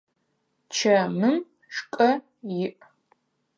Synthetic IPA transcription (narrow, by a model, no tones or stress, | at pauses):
t͡ʃʰɐmɨm | ʂkʼɐ | jɪʔ